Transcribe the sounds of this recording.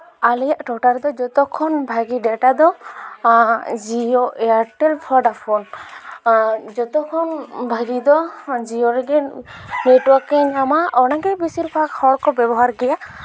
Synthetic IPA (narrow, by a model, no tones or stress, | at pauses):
alɛjaʔʈɔʈaɾd̪ɔd͡ʒɔt̪ɔkʰɔnbʱaɡiɖɛʈad̪ɔ | d͡ʒioʔɛaɾʈelpʰɔɖapʰɔn | d͡ʒɔt̪ɔkʰɔnbʱaɡid̪ɔd͡ʒioɾɛɡɛneʈwɔɾkɛɲamaɔnaɡɛbisiɾpʰakhɔɽkɔbɛbɔɦaɾɡɛja